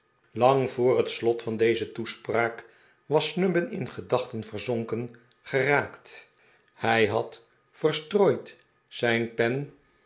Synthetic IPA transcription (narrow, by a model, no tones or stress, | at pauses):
lɑŋv̥ʊːrɦətslɔtfɑndejzətuspraːk | ʋɑsnɵbənɪ̰nχədɑχtənvəɹzɔŋkən | χəraːkt | hɛjɦɑt | fəɹstroːjt | sɛjnpɛn